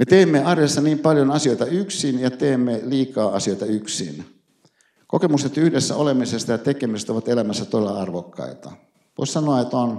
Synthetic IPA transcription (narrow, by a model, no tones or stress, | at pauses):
met̪eːmːeɑrjɑsːɑniːmpɑljonɑsioit̪ɑyksinjɑt̪eːmːeliːkɑːɑsioit̪ɑyksḭn | kokemust̪et̪yhdesːæ̰olemisest̪ɑjɑt̪ekemiset̪oʋɑt̪elæmæsːæt̪odelːɑɑrʋokːɑ̰it̪ɑ | ʋo̰issɑnoɑet̪on